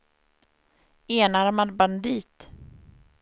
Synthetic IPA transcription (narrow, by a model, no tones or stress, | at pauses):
eːnaɾmanband̪iːt̪